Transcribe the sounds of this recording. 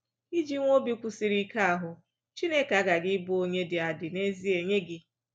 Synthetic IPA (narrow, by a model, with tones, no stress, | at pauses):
i˦d͡ʒi˦ŋʷo˦bi˦kʷu˦si˨ɾi˦ka˦a˨ɦʊ˨ | t͡ʃi˦ne˦ka˨˦ɡa˨ɡɪ˦bʊ˦o˦ɲe˦dɪ˨a˨dɪ˨ne˦zi˦e˨ɲe˦ɡɪ˦